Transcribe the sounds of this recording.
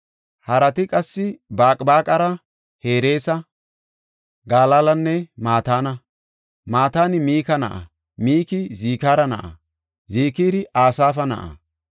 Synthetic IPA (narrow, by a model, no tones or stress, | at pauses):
hɐɾɐt̪ɪkʼɐsːɪbaːkʼbaːkʼɐɾɐ | he̞ːɾe̞ːsɐ | ɡaːlalɐnːɛmaːt̪aːnɐ | maːt̪aːnɪmiːkɐnɐ̰ʔɐ̰ | miːkɪziːkaːɾɐnɐ̰ʔɐ̰ | ziːkiːɾɪʔaːsaːfɐnɐ̰ʔɐ̰